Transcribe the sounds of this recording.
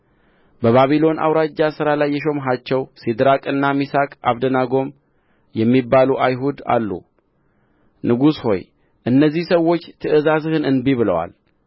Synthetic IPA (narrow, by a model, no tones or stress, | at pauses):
bəβaβilo̞nʔa̰wɾad͡ʒːasɨɾalajːɛʃ̬o̞mɦat͡ʃːɛwsid̪ɾakʼɨnːamisakʼa̰βd̪ənaɡo̞m | jɛmːibːaluʔajɦud̪a̰lːṵ | nɨɡusho̞̰j | ʔɨnːəzːihsəwːo̞t͡ʃːt̪ʰɨʔɨzazɨhɨnɨnbiβɨlə̰wa̰l